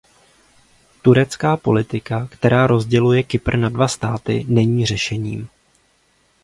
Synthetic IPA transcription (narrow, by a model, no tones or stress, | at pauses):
t̪uɾɛt͡skaːpo̞̰lɪt̪ɪkakt̪ɛɾaːɾo̞zɟɛlujɛkɪpr̩nadvast̪aːt̪ɪ̰nɛɲiːr̝ɛʃɛɲḭːm